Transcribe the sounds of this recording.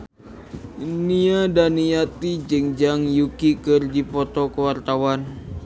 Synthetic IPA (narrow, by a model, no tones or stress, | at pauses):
iniadaniat̪id͡ʒɨŋd͡ʒaŋjukikɨrdipɔt̪ɔkəwart̪awan